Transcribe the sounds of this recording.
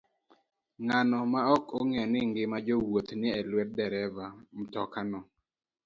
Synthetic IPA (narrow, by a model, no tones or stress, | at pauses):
ŋanɔmaɔkoŋɛɔnɪŋɡɪmad͡ʒowot̪nɪɛlwɛt̪̚dɛɾɛvamtɔkanɔ